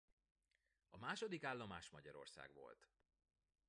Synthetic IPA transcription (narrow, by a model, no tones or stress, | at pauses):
ɒmaːʃod̪ikaːlːomaːʃmɒɟɒɾo̞̰rsa̰ːɡʋo̞̰lt̪